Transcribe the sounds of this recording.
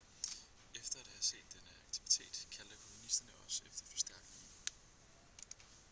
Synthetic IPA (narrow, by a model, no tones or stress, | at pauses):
efd̥ɐæd̥æhæɐse̝̰ːd̥ːenəɑ̈ɡ̥̚t͡sʰiʋit͡sʰe̝̰ːd̥kʰæld̥əkʰo̝munisd̥ɐnəɒ̽sefd̥ɐfɒ̽sd̥æɐɡ̥ne̝